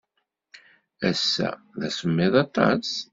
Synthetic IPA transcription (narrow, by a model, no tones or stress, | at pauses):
æsːæ̰ðæsəmːɪðɑt̪ˤɑ̰s